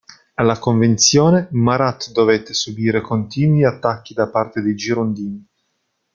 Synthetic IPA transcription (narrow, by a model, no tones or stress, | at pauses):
alːakoɱvent̪sjoːnemaɾat̪ːd̪ovet̪ːesubiːɾekont̪iːnwiat̪ːakːid̪apart̪ed̪ejd͡ʒiɾond̪iːni